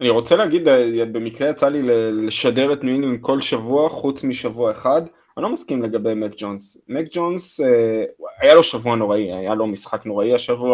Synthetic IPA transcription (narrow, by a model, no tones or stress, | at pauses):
aniʁo̞t͡selehaɡid̪be̞mikʁe̞jat͡salileleʃade̞ʁet̪nuininko̞lʃavuaχut͡smiʃavuaeχad̪ | anlo̞maskimle̞ɡabejmekd͡ʒons | mekd͡ʒonseajalo̞ʃavuano̞ʁaia̰jalo̞misχakno̞ʁaiaʃavua